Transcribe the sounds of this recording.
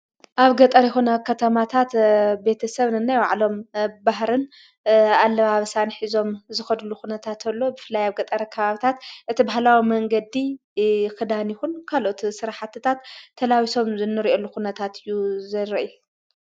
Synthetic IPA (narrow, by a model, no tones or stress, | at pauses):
ʔaβɡɐt̪ʼɐɾjɛxonɐkʰɐt̪ʰɐmat̪ʰat̪be̞t̪ʰɐsɐβnɨnːajwa̰ʕlo̞mbaɦɾɨn | alːɐβaβɐsanħizo̞mzɨxɐd̪uluxunɐt̪ʰat̪ʰɐlːo̞bɨfɨlːajaβɡɐt̪ʼɐɾɐkʰɐβaβit̪ʰat̪ʔɨt̪ʰibahlawimɐŋɡɐd̪i | kɨd̪anjɪxunkʰalʔot̪sɨɾaħat̪ʰːɨt̪ʰat̪ʰːɐlawiso̞mzɨnːɨɾiʔolːuxunɐt̪ʰat̪ʰɨjːuzɐɾɐʔju